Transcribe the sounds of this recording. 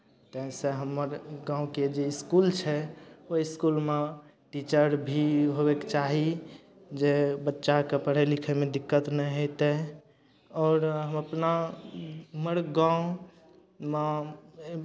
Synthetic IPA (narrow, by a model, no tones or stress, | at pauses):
t̪əɦseɦəməɾɡãũked͡ʒeiskult͡ʃʰɛoiskulme | ʈit͡ʃəɾbʱiɦobekt͡ʃaɦi | d͡ʒebətːʃakepəɽ̤elikʰəmed̪ikːət̪nɛɦojt̪e | ɔːɾɦəməpna | məɽɡãũ | me